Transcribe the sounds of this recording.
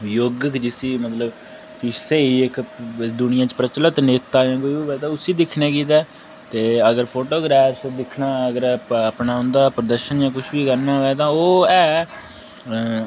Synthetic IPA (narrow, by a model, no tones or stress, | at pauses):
joːɡəkd͡ʒɪsiːmət̪ləb | kɪseːiːɪkd̪ʊnɪjãːt͡ʃpɾət͡ʃlət̪neːt̪ːaːjãːk̬oːiiːʋɛːd̪aːʊsiːd̪ɪkʰnɛ̃ːkiːt̪ɛː | t̪eːəɡəɾpʰoːʈoːɡɾɛːfsd̪ɪkʰnaːəɡəɾəpnaːʊ̃nd̪aːpɾəd̪əɾʃənjãːkʊt͡ʃʰbiːkəɾnãːɛːt̪ãːoːɛː